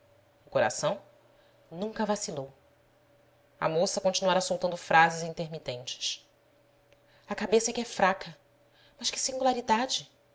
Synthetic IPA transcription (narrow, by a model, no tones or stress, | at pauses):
ʊkoɾa̰sɐ̃w̃ | nũŋkɐvasilow | ɐ̰mosɐkõnt͡ʃinuaɾɐsowt̪ɐ̃nd̪ʊfɾazɪzĩnt̪eɾmit̪ẽnt͡ʃɪ̥ʃ | ɐkabesɐɛkɪɛfɾakʰɐ | mɐʃkɪ̥sĩŋɡulaɾid̪ad͡ʒɪ